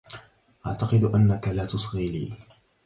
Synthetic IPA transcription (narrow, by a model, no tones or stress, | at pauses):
ʔaʕt̪ɑqɨd̪ʔanːakalaːt̪ʊsˤɣiːlḭː